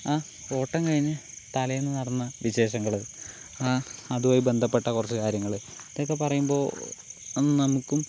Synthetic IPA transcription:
aː | o̞ːʈːɐŋkɐɻiɲːɨt̪ɐlɐjenːɨnɐrɐnːɐʋiɕe̞ːʂɐŋːɐɭɨ | aɐðuʋaːjibe̞nd̪ʱɐpːe̞ʈːɐkurɐt͡ɕːɨkaːɾjɐŋːɐɭɨ | ɐðeok̬ːepɐrɐjumbo̞ːenːɨnɐmukʲːum

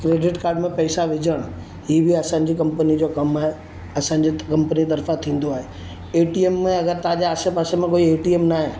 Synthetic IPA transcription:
kɾeːɖɪʈkaːɾɖmẽpɛːsaʋɪd͡ʑʱəɽ̃ | ɦiːbiɐsãɲ̆d͡ʑiːkɐ̃mpənid͡ʑoːkɐmaɦe | ɐsãːɲd͡ʑikɐ̃mpənit̪ɐɾfãt̪ʰĩːn̆d̪oaːɦe | eːʈiemːẽɐɡəɾt̪ɐãd͡ʑeaːsepaːsemẽkoːieːʈiːemnaːɦe

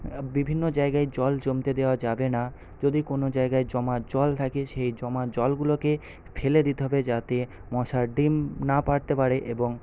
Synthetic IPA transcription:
bibʱinːod͡ʑaeɡaed͡ʑɔld͡ʑomt̪ed̪eoad͡ʑabena | d͡ʑod̪ikonod͡ʑaeɡaed͡ʑɔmad͡ʑɔlt̪ʰakeʃejd͡ʑɔmad͡ʑɔlɡuloke | fʰeled̪it̪eɦɔbed͡ʑat̪e | mɔʃaɾɖimnapaɽt̪epaɾeʔeboŋ

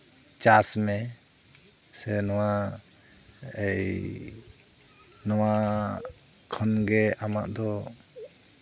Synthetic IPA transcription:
t͡ʃasmɛ | sɛnɔwa | ɛj | nɔwa | kʰɔnɡɛama̰ʔd̪ɔ

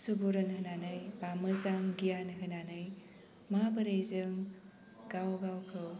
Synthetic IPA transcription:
subuɾɐnhɯnanɯjbamɐzaŋɡijanɦɯnanɯj | mabɐɾejzɯŋ | ɡawɡawkʰɯw

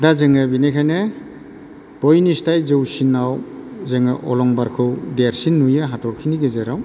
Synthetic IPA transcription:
dazeŋabinekʰajne | b̥ɔjnistajzɯwsinːawzeŋaʔɔlɔŋbaɾkʰɯwdeɾsinːujaɦatʰɔɾkʰiniɡezeɾaw

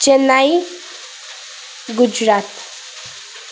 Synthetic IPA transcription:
d͡ʒənaj | ɡud͡ʒɾat̪

